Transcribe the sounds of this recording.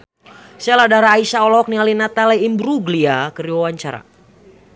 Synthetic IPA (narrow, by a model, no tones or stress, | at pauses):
sɛladaɾaːisaɔlɔk̚nialinat̪alɛimbɾuɡliakəɾiwawaɲt͡ʃaɾa̰